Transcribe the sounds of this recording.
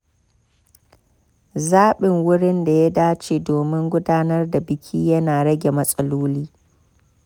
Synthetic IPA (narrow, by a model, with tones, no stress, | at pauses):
zaː˦ɓɪ˨ŋwʊ˦ɽɪ˦nda˨ja˦daː˦t͡ʃeː˨doː˨mɪ˦ŋɡʷʊ˦daː˦nɐ˦rda˨bɪ˨kʲʰiː˦jɐ˦naː˨ɽɐ˦ɡʲe˨mɐ˦sʼɐ˦loː˦liː˦